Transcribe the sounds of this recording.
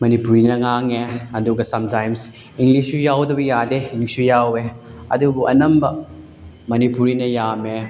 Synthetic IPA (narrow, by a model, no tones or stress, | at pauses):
mɐnipuɾinɐŋaŋeɐduɡɐsɐmtajms | iŋɡlisujawdɐbɐjadeiŋlisujaweɐ̰dubuʔɐ̰nɐmbɐ | mɐnipuɾinɐjame